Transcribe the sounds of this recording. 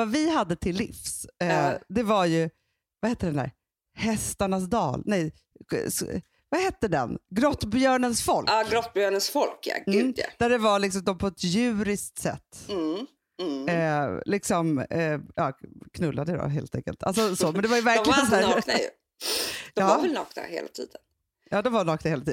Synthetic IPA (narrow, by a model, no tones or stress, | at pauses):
avɪɦad̪ːət̪ʰɪlːɪ̰fs | d̪ɛvaɾjɵ | vahɛt̪ːəɖɛnæ̰ɾ | hɛst̪aɳasd̪ɑ̰ːlnɛj | vahɛt̪ːəɖɛ̰nɡɾɔt̪ːbjœːɳənsfɔlʔɡɾɔt̪̚ːbjœːɳənsfɔlkja̰ɛ̰d̪æɖɛvaɭɪksɔmd̪ɔmpʰɔɛt̪jʉ̟ːɾɪsk̚t̪sɛ̰t̪ː | lɪksɔmjɑːkʰnɵlːad̪əd̪ɔ̰ɦḛːlt̪ʰɛ̰ŋkə̰lt̪ʰa̰lsɔsoːmɛnd̪ɛvajəvæɾklɪɡɡənsæːɾaj̰ | d̪ɑːvavɛlnɑ̰ːkna̰hḛːla̰t̪ʰḭːd̪ən | jɑːd̪ɔmvanɑːknaheːlat̪iːd̪